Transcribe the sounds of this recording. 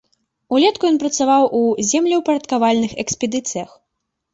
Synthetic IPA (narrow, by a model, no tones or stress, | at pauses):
ulʲɛt̪kujɔnpɾɐt̪savawʔuzʲɛmlʲɛwpɐɾɐt̪kavalʲnɨxɛksʲpʲɛd̪ɨt̪sɨjɐx